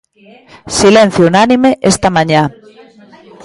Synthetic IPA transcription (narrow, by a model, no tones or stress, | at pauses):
silen̟θjounanimeʔest̪amãɲa